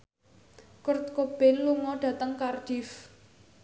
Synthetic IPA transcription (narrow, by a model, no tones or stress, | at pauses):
kʊrt̪̚kob̥ɛnluŋɔɖ̥ä̤t̪əŋkard̥if